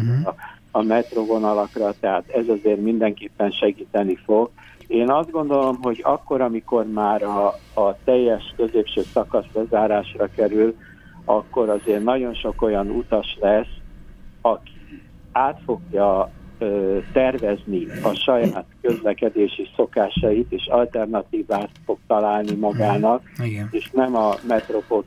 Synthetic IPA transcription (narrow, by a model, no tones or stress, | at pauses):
ɒmɛt̪rovo̞nɒlɒkrɒt̪ɛɦaːt̪ɛzɒzeːrmind̪ɛŋkeːpːɛnʃɛɡiːt̪ɛnifo̞ɡ | eːnɒzd̪̚ɡo̞nd̪o̞lo̞mɦo̞ɟɒ̰kːo̞ɾɒmiko̞rmaːɾɒːt̪ɛjːɛʃkø̞zeːpʃøːsɒkɒsbɛzaːɾaːʃrɒkɛɾyl | ɒ̰kːo̞ɾɒzeːrnɒɟo̞nʃo̞ko̞jɒnut̪ɒʃlɛs | ɒkʰi | aːt̪fo̞ɡjɒøt̪ɛrvɛzniɒʃɒjaːt̪kø̞zlɛkɛd̪eːʃiso̞kaːʃɒjit̪eːʃɒlt̪ɛrnɒt̪iːvaːt̪fo̞ɡ̚t̪ɒlaːlnimɒɡaːnɒk̚eːʃnɛmɒmɛt̪ro̞po